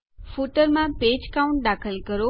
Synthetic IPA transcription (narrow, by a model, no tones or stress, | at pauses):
fuʈəɾmãped͡ʒkaũɳʈ̚ɖakʰəlkəɾo